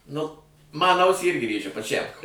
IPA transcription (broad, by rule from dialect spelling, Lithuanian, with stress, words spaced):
ˈnʊ ˈmɐn ˈɐʊsʲiː ˈɪrʲɡʲɪ ˈrʲeːʒʲɛ pɐˈt͡ʃʲæm